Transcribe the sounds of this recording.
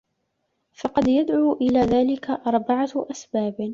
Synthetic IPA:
fɑqɑd̪jad̪ʕuːʔɪlaːðaːlɪkaʔɑɾˤbaʕaʔasbaːb

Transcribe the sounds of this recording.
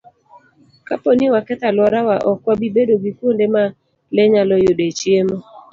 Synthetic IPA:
kaponiwakɛt̪alwɔɾawaʔɔkwabibedoɡikwondema | lɛɲalɔjodet͡ʃjemo

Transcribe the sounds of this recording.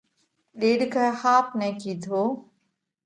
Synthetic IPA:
ɗeːɗkahaːp̚nɛ̃ːkiːd̪ʰʱoː

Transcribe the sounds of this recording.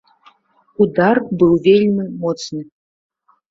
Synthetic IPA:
ud̪arbɨwvʲelʲmʲimɔt̪snɨ

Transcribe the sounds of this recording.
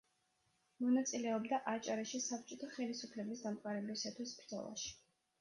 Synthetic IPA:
mɔnat̪sʼilɛɔbd̪aʔat͡ʃʼaɾaʃisapt͡ʃʼɔt̪ʰaχɛlisupʰlɛbisd̪amqʼaɾɛblisat̪ʰwisbɾd̪zɔ̰lˠa̰ʃi̥

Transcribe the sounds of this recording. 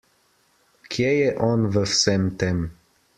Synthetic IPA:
kʰʲjɛjɛʔɔnvəfsɛmt̪ɛm

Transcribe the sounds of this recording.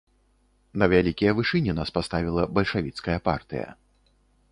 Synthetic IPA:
nɐvʲalʲikʲijɐvɨʂɨnʲinaspast̪avʲilˠɐbɐlʲʂavʲit̪skɐjɐpa̰rt̪ɨ̰jɐ̰

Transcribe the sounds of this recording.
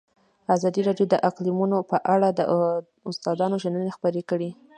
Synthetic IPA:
azɑd̪iɾɑɖjod̪əʔaqlimunopəʔaɽad̪ə | ʊst̪ɑd̪ɑnoʒənənaxpəɾekəɽi

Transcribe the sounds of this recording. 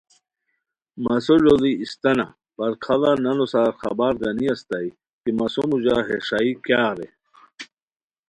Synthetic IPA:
mɐsoʐoliist̪ɐna̰ | pɐɾkʰɐlanɐnosaːɾxɐ̰baːɾɡɐniɐst̪ɐi | kimɐsomud͡ʑaɦeʂaikjaːɾe

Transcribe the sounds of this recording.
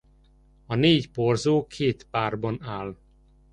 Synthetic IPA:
ɒneːcporzoːkʰeːt̪paːrbɒnaːl

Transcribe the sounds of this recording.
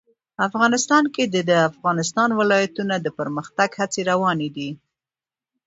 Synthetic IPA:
afɣɑnɪst̪ɑnked̪əd̪əafɣɑnɪst̪ɑnwɪlɑjat̪unad̪əpəɾməxt̪aɡhat͡seɾawɑned̪i

